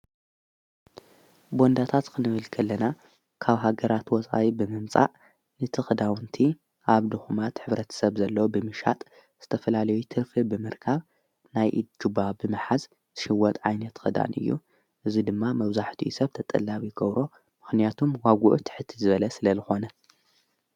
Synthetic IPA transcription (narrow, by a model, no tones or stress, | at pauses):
bo̞nd̪at̪ʰat̪kʰɨnɨβɨlkʰɐlːɐna | kʰaβɦaɡɐɾat̪wɔt͡sʼa̰wibɨmɨmt͡sʼa̰ʔ | nɨt̪ʰɨxɨd̪awnt̪ʰi | ʔaβd̪ɨxumat̪ħɨβɾɐt̪ʰɐ̥sɐβzɐlːɐwobɨmɨʃa̰t̪ʼ | z̥ɨt̪ʰɐfɐlalɐjut̪ʰɨɾfɨbɨmɨɾkʰaβ | najʔɨd͡ʒubabɨmɨħaz | z̥ɨʃɪwːɔt̪ʼʕajnɐt̪xɨd̪a̰nʔɨ̰jːṵ | ʔɨzid̪ɨmːamɐβzaħt̪ʰiʔusɐβt̪ʰɐt̪ʼɐ̰lːaβiɡɐβɾʔo̞ | mɨxnijat̪ʰumwaɡuʔut̪ʰɨ̥ħɨt̪ʰːizɨβɐlɐsɨlɐzɨxo̞nɐ